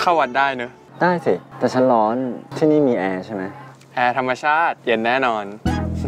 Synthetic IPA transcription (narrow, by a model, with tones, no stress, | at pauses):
kʰa˥˩wa˧˥t̪̚daː˥˩jnɯ˦˥ | daː˥˩jsi˨˩t̪ɛː˨˩t͡ɕʰa˦˥nlɔː˦˥nt̪ʰiː˥˩niː˥˩miː˧ʔɛː˧t͡ɕʰa˥˩jma˦˥j | ʔɛː˧t̪ʰa˧mːa˧t͡ɕʰaː˥˩t̪̚je˧nːɛː˥˩nɔː˧n